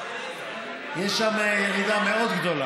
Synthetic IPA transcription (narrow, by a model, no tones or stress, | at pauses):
jɛʃːamejelid̪ameo̞d̪ɡd̪o̞la